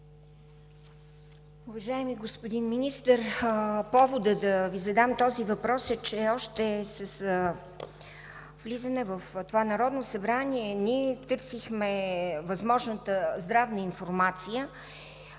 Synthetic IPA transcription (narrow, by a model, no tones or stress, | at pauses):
ʊvɐʒaɛmiɡospod̪inminist̪əɾpɔvod̪əd̪ɐvizɐd̪amt̪ɔzivɐpɾɔsɛt͡ʃɛɔʃt̪ɛsəs | vlizənɛvəft̪ovanɐɾɔd̪nosɐbɾaniɛniɛt̪ɤɾsixmɛvɐzmɔʒnət̪əzd̪ɾavnəinfoɾmat̪sijə